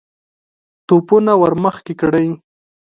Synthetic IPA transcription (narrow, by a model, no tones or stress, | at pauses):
t̪upʊnawaɾmaχkɪkɽaj